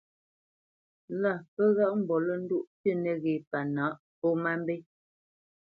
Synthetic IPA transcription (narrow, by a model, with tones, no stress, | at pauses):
la˦˨pə˦ɣa˦ʔm̩˨bɔ˨lə˦n̩˦du˦˨ʔpjə˦˨nə˨ɣe˨pa˨na˨˦ʔ | po˦ma˦m˦be˦